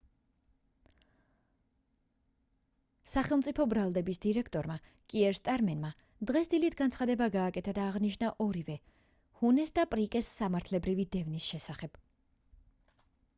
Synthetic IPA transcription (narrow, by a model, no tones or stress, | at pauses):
saχɛlˠmt̪sʼipʰɔbɾalˠd̪ɛbisd̪iɾɛkʰt̪ʼɔɾma | kʼiɛɾst̪ʼaɾmɛnma | d̪̥ʁɛsd̪ilit̪ʰɡant̪sχad̪ɛbaɡaːkʼɛt̪ʰad̪aːʁniʃnaʔɔɾivɛ | hunɛsd̪apʼɾikʼɛsːamaɾt̪ʰlɛbɾivid̪ɛvnisʃɛsaχɛb̥